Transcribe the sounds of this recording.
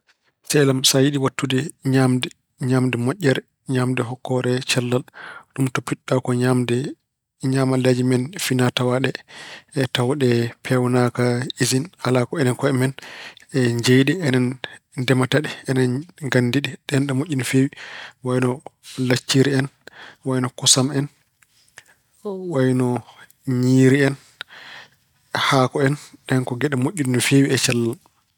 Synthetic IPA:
sɛlamsajiɗiwatːudɛɲamdɛ | ɲamdɛmoʔʲːɛɾɛ | ɲamdɛɦɔkːɔɾɛt͡ʃalːalɗumtopːiɗːakɔɲamdɛ | ɲamaled͡ʒimɛnfinatawaɗɛː | tawɗɛpʰɛwnakaizinhalakɔɛnɛnkɔɛmɛnɛɲd͡ʒejɗɛɛnɛndɛmataɗiɛnɛnɡanːdiɗiɗɛnɗɛmoʔʲːinɔfewiwajnɔlat͡ʃːiɾiɛnwajnɔkɔsamɛn | wajnɔ | ɲiːɾiɛn | haːkɔɛnɗɛnkɔɡɛɗɛmoʔʲːinnɔfewiɛt͡ʃalːa

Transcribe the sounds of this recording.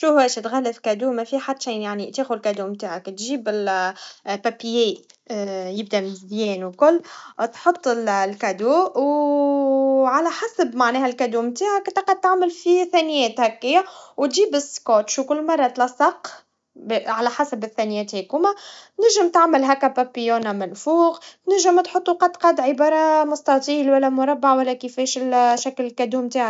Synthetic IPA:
ʃuhɛːʃt̪ɣælːəfkæd̪uːmæfiħad̪ːʃiːnjaʕnit̪eːxʊd̪lkæd̪uːmt̪aːhakt̪ʒiːbɪl | pæpjeː | jɪb̚d̪æmzjɛːnwkʊlːt̪ħot̪ˤːɪllkæd̪uːw | ʕalæħasbmaʕnɛːhælkæd̪uːmt̪aːʕækɪnt̪ːɑqɑd̪̚t̪aʕməlfiθænɪjɛːt̪hækːɪjːæwt̪ʒiːbɪskot̪ʃwkʊlːmɑrˤːɑt̪lɑsˤːɑq | bʕalæħasæbɪθːænɪjɛːt̪hekuːmanɪɾʒɪmt̪aʕməlɦækːæpæpːijoːnamænfuːɣt̪nɪʒəmt̪ħot̪ˤːuqɑd̪qɑd̪ʕɪbɑːɾˤɑmʊst̪ɑt̪ˤiːlwælːæmʊɾˤɑbːaʕwælːækifɛːʃɪlʃæklɪlkæd̪uːmt̪aːʕ

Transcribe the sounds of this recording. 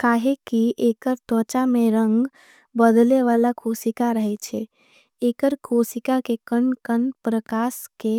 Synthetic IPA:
kaːɦekiʔekəɾt̪ɔ̃t͡ʃameɾəŋɡ | bəd̪leʋalakʰosikaɾəɦɛt͡ʃʰɛ | eːkəɾkʰosikakekənkənpɾəkaske

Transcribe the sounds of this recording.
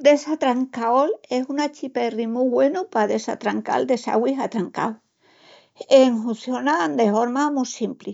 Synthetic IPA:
d̪esat̪ɾaŋkaolesunat͡ʃiperimuɣwenupaðesa̰t̪ɾaŋka̰ld̪e̞sa̰ɣwiɦat̪ɾaŋka̰w | eŋɦuθjonand̪efoɾmamusimpli

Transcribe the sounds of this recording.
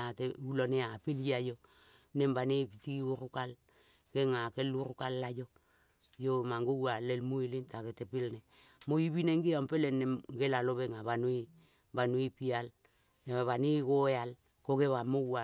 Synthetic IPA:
ateuloneapiljiajo | nembanipitiuɾukal | keŋakeluɾukalːajo | jomaŋɡowalelmuilintaketepilnemoibineŋɡiampelenemɡelaloβeŋaβanui | banuipial | βanikojal | kokeβamowa

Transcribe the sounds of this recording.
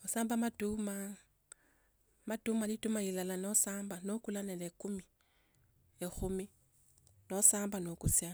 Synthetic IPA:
osaːmbamatuma | matumalitumailalanosaːmbanokulanelekumi | exumi | nosaːmbanokusja

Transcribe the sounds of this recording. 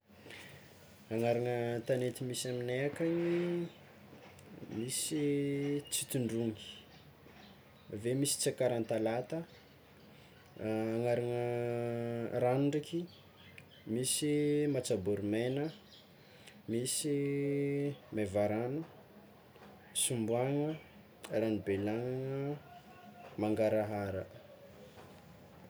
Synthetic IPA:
aŋaɾaŋət̪anet̪imisamineakaɲi | misit͡sit̪uɳɖ͡ʐuŋi̥ | vemisi̥t͡sakaɾant̪alat̪ə | aŋaɾaŋə | ɾanɖ͡ʐakʰi | misimat͡sabuɾumenə | misi | mevaɾanu | sumbuaŋə | lanibelaŋaŋə | maŋɡaɾaɦaɾə

